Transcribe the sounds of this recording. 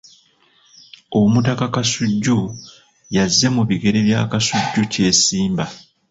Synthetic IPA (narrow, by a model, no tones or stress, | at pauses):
omutakakasuɟːu | jazːe̞muβiɡe̞ɾe̞βja̰ːkasuɟːuce̞ːsiːmba